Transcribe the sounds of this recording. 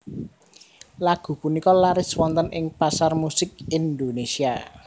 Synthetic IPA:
laɡ̥ṳpunikɔlaɾɪswɔnt̪ənʔɪŋpasarmusɪk̚ind̪onesia

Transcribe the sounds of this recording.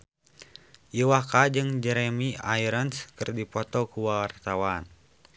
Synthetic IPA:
ʔiwakad͡ʒɨŋd͡ʒɛɾɛmiaiɾənskɨrdipɔt̪ɔkuwawart̪awan

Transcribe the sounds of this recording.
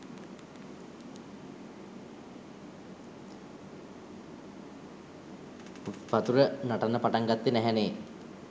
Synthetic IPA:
ʋat̪uɾənaʈanːəpaʈaŋɡat̪ːenæɦɛneː

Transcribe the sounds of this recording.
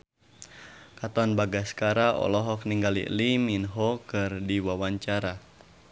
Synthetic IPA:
kat̪anbaɡaskaɾaʔɔ̰lɔɦɔk̚niŋɡalḭliminɦɔkɨrdiwawaɲt͡ʃaɾa

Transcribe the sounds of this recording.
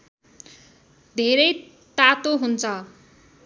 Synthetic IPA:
d̪ʱeɾʌj | t̪at̪oɦunt͡sʰʌ

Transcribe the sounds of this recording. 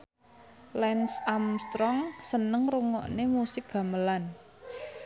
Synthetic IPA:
lɛnsamst̪ɾɔŋsənəŋruŋɔ̰ʔnemusɪk̚ɡ̥ä̤məlan

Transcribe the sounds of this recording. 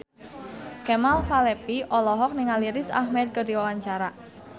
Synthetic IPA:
kɛmalfalɛpiʔɔlɔɦɔk̚niŋaliɾɪsa̰hmɛd̪̚kədiwawaɲt͡ʃaɾa

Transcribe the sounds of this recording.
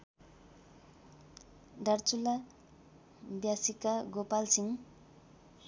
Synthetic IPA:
ɖart͡sula | bjasikaɡopalsʰiŋ

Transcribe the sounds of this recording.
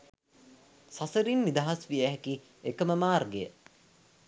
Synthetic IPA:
sɐsəɾinːid̪aɦasʋijæɦɛki | ekəməmaːrɡejə

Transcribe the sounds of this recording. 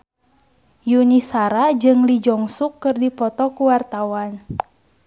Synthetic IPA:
junisaɾad͡ʒɨŋlid͡ʒɔŋsukːɨrdipɔt̪ɔkuwart̪awan

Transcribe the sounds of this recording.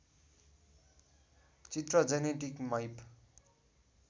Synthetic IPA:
t͡sit̪rʌd͡zeneʈikmajp

